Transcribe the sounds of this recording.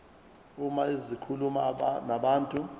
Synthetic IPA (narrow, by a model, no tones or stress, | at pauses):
umaizikʰulumanaɓaːntʼu